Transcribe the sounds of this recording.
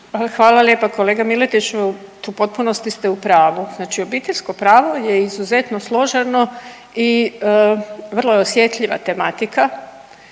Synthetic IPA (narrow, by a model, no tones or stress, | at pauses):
xʋaːlaljepako̞leɡamilet̪it͡ʃ | t̪upo̞t̪̚punost̪ist̪eupɾaːʋuznaːt͡ʃio̞biːt̪eʎʲsko̞pɾaːʋo̞jeizuze̞t̪noslˠo̞ʒano̞ | iəʋr̩lˠojeosjet̪ʎiʋa̰t̪e̞mat̪ika